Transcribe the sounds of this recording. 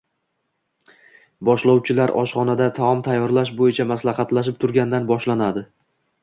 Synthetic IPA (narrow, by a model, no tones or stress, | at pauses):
bɒʃlɒwt͡ʃʰɪlaɾʔɒ̰ʃχɒnad̪at̪ʰaɒmt̪ʰajːɒɾlaʃ̬bojɪt͡ʃʰamaslaχɑt̪laʃ̬ɪp̚t̪ʰʊɾɡʲand̪anbɒʃlanad̪ɪ